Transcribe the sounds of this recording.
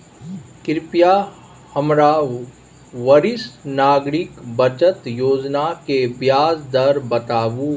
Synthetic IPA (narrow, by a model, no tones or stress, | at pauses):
kɪɾpija | həmɾa | ʋəɾɪsnaːɡɾɪkbət͡ʃət̪joːd͡ʒnakebjaːzd̪ɐɾbət̪aːʋuː